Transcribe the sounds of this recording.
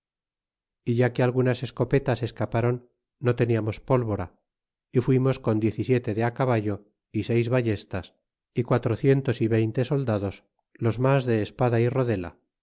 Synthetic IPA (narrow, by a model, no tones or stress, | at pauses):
iʝakealɣunase̞sko̞pe̞t̪ase̞skapaɾo̞nː | o̞t̪e̞niamo̞spo̞lβo̞ɾa | ifwimo̞sko̞nd̪je̞θisje̞t̪e̞ðeakaβaʝo̞ | ise̞jzβaʝe̞st̪as | ikwat̪ɾo̞θje̞nt̪o̞siβe̞jnt̪e̞so̞ld̪aðo̞s | lo̞zmazðe̞ːspaðairo̞ðe̞la̰